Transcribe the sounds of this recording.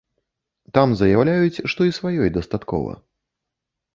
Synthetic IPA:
t̪amzɐjawlʲajut͡sʲʂt̪ɔisvajɔjd̪ɐst̪at̪kɔ̰vɐ̰

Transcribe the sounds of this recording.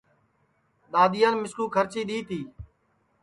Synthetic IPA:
ɗ̪aːd̪ɪjaːnmɪskuːkʰəɾt͡ʃiːɗiːt̪ʰiː

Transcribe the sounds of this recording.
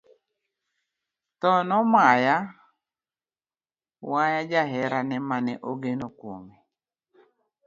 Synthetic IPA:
t̪ɔnɔmaja | wajad͡ʒaɦɛɾanɛmanɛʔoɡenokwomi

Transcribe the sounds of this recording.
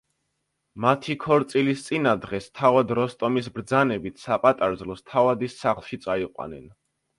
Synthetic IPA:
mat̪ʰikʰɔɾt̪sʼilist̪sʼinad̪ʁɛst̪ʰavad̪ɾɔst̪ʼɔmisbɾd̪zanɛbit̪ʰsapʼat̪ʼaɾzlˠɔst̪ʰavad̪isːaχlˠʃit̪sʼaiqʼwa̰nɛ̰n

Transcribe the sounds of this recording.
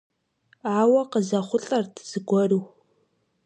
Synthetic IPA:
aːwɐqəzɐχʷʊɬʼɐrtʰz̥ɨɡʷɔrɨw

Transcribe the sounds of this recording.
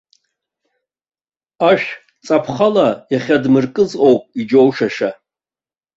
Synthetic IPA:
aʃᶣ | t͡sʼapʰχalajaχʲadmɨrkʼɨzqʼo̞wpʼid͡ʒo̞wʂaʂa

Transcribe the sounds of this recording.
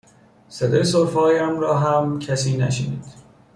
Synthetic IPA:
sed̪ɒ̰ːjesoɾfɒːjæmɾɒːɦæmcʰæsiːnæʃenḭːd̪̥

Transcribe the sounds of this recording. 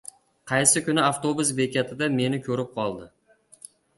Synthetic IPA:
qʰɑjsɪkʲʊnɪaft̪obʊsbe̞kʲat̪ʰɪd̪ame̞nɪkʲʰɵɾɪp̚qʰɒlˠd̪ɪ

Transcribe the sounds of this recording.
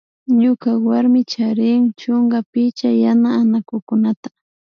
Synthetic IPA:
ɲʊkawaɾmɪt͡ʃaɾɪŋt͡ʃʊŋɡapɪt͡ʃajanaːnakʊkʊnat̪ḁ

